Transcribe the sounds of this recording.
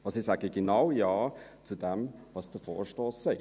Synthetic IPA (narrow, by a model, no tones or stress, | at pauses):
ɑsisaɡəɡenaʊjɑːt͡sudɛmvɑsd̥əfɔ̰ːɹʃtɔːsːɛɪ